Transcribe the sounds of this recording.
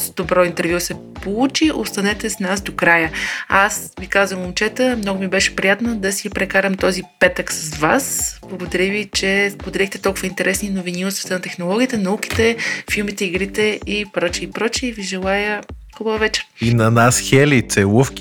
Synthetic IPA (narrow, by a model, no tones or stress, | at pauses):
sd̪obɾɔint̪ɛɾvjusɛpout͡ʃiʔo̰st̪ɐnɛt̪ɛsnasd̪okɾajəasvikazvəmomt͡ʃɛt̪əmnɔɡʊmibɛʃɛ̥pɾijat̪nəd̪ɐsipɾɛkaɾəmt̪ɔzipɛt̪əksɐzvasblˠɐɡod̪ɐɾivit͡ʃɛspod̪ɐɾixt̪ɛt̪ɔlˠkʊvəint̪ɛɾʔɛsninovinilˠst̪və̥t̪ənɐt̪ɛxnolˠɔɡʲiət̪ɛnɐuki̥t̪ɛfilˠmit̪ɛiɡɾit̪ɛipɾɔt͡ʃiːpɾɔt͡ʃiviʒɛlˠajəxubəvɛt͡ʃɛ̥ɾinɐnasxɛlit̪sɛlufkʲi